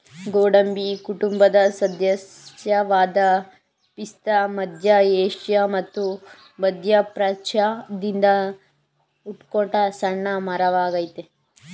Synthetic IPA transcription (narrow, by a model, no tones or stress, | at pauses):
ɡoːɽɐmbikuʈumbɐd̪ɐsɐd̪ʱjɐsjɐʋaːd̪ɐ | pist̪ɐmɐd̪ʱjɐeːʂjɐmɐt̪ːu | bɐd̪ʱjɐpɾɐt͡ʃad̪ind̪ɐ | uʈkoɳʈɐsɐɳːɐmɐɾɐʋaːɡɐjt̪e